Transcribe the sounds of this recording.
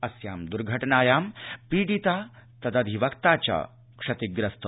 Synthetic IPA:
ɐsja̰ːmd̪uɾɡʱɐʈnaːjaːmpiːɖit̪aːt̪ɐd̪ɐd̪ʱiʋɐkt̪aːt͡ɕa̰ | kʂɐt̪iɡɾɐst̪ɐ

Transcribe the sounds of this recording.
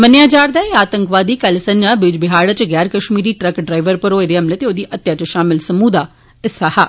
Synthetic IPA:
mənjaːd͡ʒaːɾd̪aːeaːt̪əŋkʋaːd̪iːkəlsə̃ɲd͡ʒãːbɪd͡ʒbɪɦaːɽat͡ʃɡɛːɾkəʃmiːɾiːʈɾəkɖɾaːɪʋəɾpəɾoːed̪eːɦəmleːt̪eːoːd̪iːʔət̪ːjaːt͡ʃʃaːmɪlsəmuːd̪aː | ɪsaːha̰ː

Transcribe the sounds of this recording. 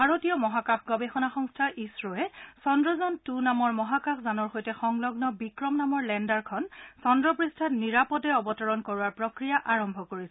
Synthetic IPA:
bʱaɹotijɔmɔɦakakʰɡɔbexɔnaxɔŋstʰaʔisɹoɛsɔndɹɔzɔntunamɔɹmɔɦakakʰzanɔɹxojtɛxɔŋlɔɡnɔbikɹɔmnamɔɹlɛndaɹkʰɔnsɔndɹɔpɹistʰatniɹapɔtɛɔbɔtɔɹɔnkoɹuaɹpɹɔkɹijaʔaɹɔmbʱɔkoɹisɛ

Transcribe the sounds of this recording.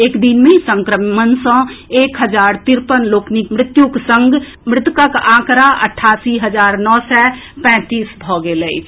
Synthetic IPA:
eːkd̪inmẽisə̃ŋkɾəmmənsə̃eːkɦəd͡ʒaːɾt̪ɪɾpənloːknɪkmɾɪt̪juksə̃ŋɡ | mɾɪt̪kəkãːkɾaʔə̰ʈʰaːsiɦəd͡ʒaːɾnɔːsɛ | pɛ̃ːt̪iːsbʱɔːɡeləi

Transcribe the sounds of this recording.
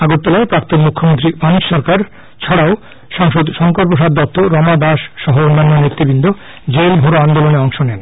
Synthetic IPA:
aɡoɾt̪ːalaepɾakt̪onmukʰːomont̪ɾibaniʃɔɾkaɾ | t͡ɕʰɔɽao | ʃɔŋʃod̪ʃɔŋkoɾpoʃ̬ad̪ːɔt̪ːoɾɔmad̪aʃʃɔɦoonːanːonit̪ːɾibind̪ʱo | d͡ʑelbʱoɾoand̪oloneɔŋʃonɛn

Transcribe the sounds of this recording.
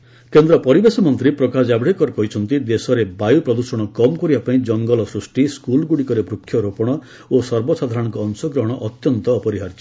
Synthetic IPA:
kend̪ɾɔpɔɾibesɔmɔnt̪ɾipɾɔkasabɽekɔɾkɔɦit͡ʃʰɔnt̪id̪esɔɾebajupɾɔd̪usɔɽ̃ɔkɔmkɔɾibapaĩd͡ʒɔŋɡɔlɔsɾusʈiskulɡuɽikɔɾebɾukʰːjɔɾopɔɽ̃ɔ | osɔɾbɔsad̪ʱaɾɔɽ̃ɔŋkɔːnsɔɡɾɔɦɔɽ̃ɔʔɔt̪jɔnt̪ɔːpɔɾiɦaɾt͡ʃi̥

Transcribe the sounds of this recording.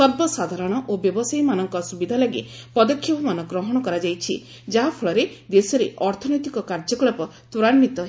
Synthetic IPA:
sɔɾbɔsad̪ʱaɾɔɽ̃ɔʔobjɔbɔsajmanɔŋkɔsubid̪ʱalaɡḭ | pɔd̪ɔkʰjɔbɔmanɔɡɾɔɦɔɽ̃ɔkɔɾad͡ʒajt͡ʃʰḭ | d͡ʒaɦapʰɔɭɔɾed̪esɔɾeɔɾt̪ʰɔnɔjt̪ikɔkaɾd͡ʒɔkɭɔpɔ | t̪uɾanmit̪ɔ

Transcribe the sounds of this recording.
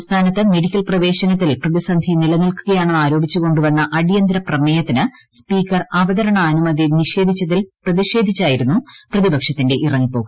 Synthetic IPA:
st̪ʰaːnɐt̪ːɨme̞ɽikʲːɐlprɐʋe̞ːɕɐnɐt̪̬ːilprɐðisɐnd̪ʱinilɐnilkuɣɐjaːɳenːaːɾo̞ːbʱit͡ɕːuɣo̞ɳɖuʋɐnːɐʔɐɽijɐnd̪ɾɐprɐmeːjɐt̪ːinɨ | spiːkːɐrɐʋɐðɐɾɐɳɐːnumɐðiniʂe̞ːd̪ʱit͡ɕːɐðilprɐðiʂe̞ːd̪ʱit͡ɕːaːjiɾunːuprɐðibɐkʂɐt̪ːinde̞ʔirɐŋːipo̞ːɣu

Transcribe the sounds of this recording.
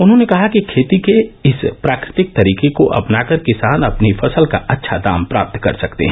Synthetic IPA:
ʊnɦõnekɐɦakikʰeːt̪ikeɪspɾaːkɾɪt̪ɪk̚t̪ɐɾiːkekoʔɐ̰pnaːkəɾkɪsaːnɐpnifɐsəlka̰ʔɐtːʃʰad̪a̰ːmpɾa̰ːp̚t̪kɐ̰ɾsɐkt̪ḛɦɛ̃

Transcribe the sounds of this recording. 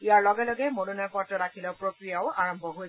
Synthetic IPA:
ijaɹlɔɡɛlɔɡɛmonunapɔtɔɹakʰilɔʊpɹokɹijaʊaɹɔmbʱɔɦoj

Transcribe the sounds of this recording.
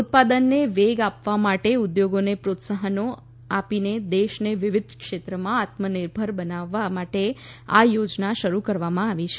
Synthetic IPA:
ʊt̪̚pad̪ənːeʋeɡapʋamaʈeud̪joɡonepɾot̪səɦəno | apined̪eʃneʋɪʋɪd̪ʱkʃet̪ɾəmãat̪mənɪɾbʱəɾbənaʋːamaʈea̰jod͡ʒnaʃəɾukəɾʋamãaʋit͡ʃʰe̥

